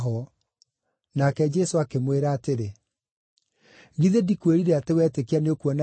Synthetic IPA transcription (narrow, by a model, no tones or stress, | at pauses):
ɦɔ | nakɛd͡ʒɛsoakemweɾaːteɾe | ɣiðedikweɾiɾeatewɛːtekeaneokwɔna